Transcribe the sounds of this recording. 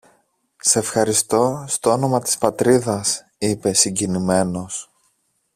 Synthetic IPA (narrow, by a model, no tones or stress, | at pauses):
se̞fxɐɾist̪o̞st̪oono̞mɐt̪i̥spɐt̪ɾiðɐs | ipe̞siɲɟinime̞no̞s